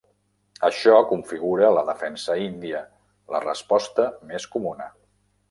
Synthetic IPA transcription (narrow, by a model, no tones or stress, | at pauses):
əʃɔkuɱfiɣ̞uɾələðəfɛnsəind̪iə | lə̰rəspɔst̪əmeskumunə